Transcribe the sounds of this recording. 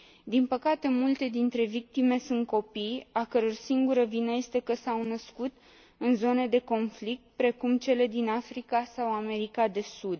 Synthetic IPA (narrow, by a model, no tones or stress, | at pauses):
d̪inpəkat̪e̞mult̪e̞d̪int̪ɾe̞vik̚t̪ime̞sunt̪̚ko̞pijakəɾo̞rsiŋɡuɾəvinəje̞st̪e̞kəsawnəskut̪ | ɨnzo̞ne̞d̪e̞ko̞nflik̚t̪̚pɾe̞kumt͡ʃe̞le̞d̪inafɾikasawame̞ɾikad̪e̞sud̪